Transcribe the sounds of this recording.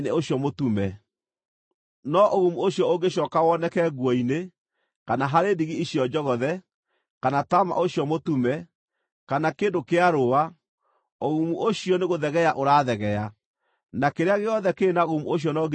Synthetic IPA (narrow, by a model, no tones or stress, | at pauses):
neoɕjɔmotumɛ | nɔʔoɣumuoɕjɔoɡeɕɔkawɔnɛkɛɣwɔine | kanaɦaɾeːdiɣiiɕijɔd͡ʒɔɣɔðɛ | kanatama̰ʔoɕijɔmotumɛ | kanakeːndokeaɾowa | oɣumuʔoɕiɔneɣoðɛɣɛaʔoɾaːðɛɣɛa | nakeɾeaɣeɔðɛkeːnaoɣumuoɕ̬jɔnɔɡ